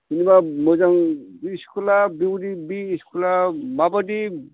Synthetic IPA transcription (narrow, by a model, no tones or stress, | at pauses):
sinibamozaŋiskʰulabiwudibiːskʰulamabadi